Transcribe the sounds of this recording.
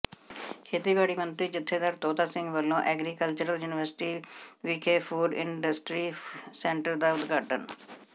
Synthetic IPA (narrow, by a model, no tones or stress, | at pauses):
kʰeːt̪iːbaːɽiːmənt̪ɾiːd͡ʒɪt̪ʰːeːd̪aːɾt̪oːt̪aːsɪ̃ŋɡʋəlːõːʔɛːɡɾiːkəlt͡ʃəɾəljuːnɪʋəɾsɪ̥ʈiːʋiːkʰeːpʰuːɖɪ̰ɳɖəsʈɾiːsɛ̃ːɳʈəɾd̪aːʊd̪ɡaːʈən